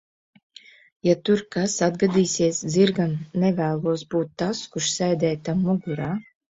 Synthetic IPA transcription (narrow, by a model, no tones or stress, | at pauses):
jat̪uɾkasad̪ɡad̪iːsiɛsd̪ziɾɡamnɛvæːlˠuɔsbuːt̪ːaskuʃsɛjd̪ɛːt̪amːuɡuɾaː